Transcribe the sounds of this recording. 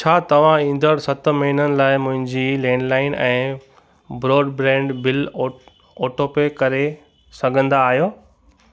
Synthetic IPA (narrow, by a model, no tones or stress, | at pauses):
t͡ɕʰaːt̪ɐʋ̤ãĩːn̆d̪ʱəɽsɐt̪̆mɐɦinənɪ̆laːɪmʊ̃ɦɪ̃ɲd͡ʑiːlɛ̃ːɳɖlaːɪnɛ̃ː | bɾoːɖbɾɛ̃ːɳɖbɪl | oːʈoːpekɐɾe | sɐɡʱə̃nd̪aːɦijoː